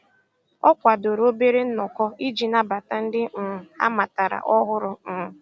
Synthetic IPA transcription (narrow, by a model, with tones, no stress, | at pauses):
ɔ˦kʷa˨do˨ɾo˦be˦ɾe˦n̩˦nɔ˨kɔ˦i˦d͡ʒi˨na˦ba˨ta˨n̩˦dɪ˦˨a̰˦ma˨ta˨ɾa̰˨ʔɔ˦ɦʊ˦ɾʊ˦m̩ː˨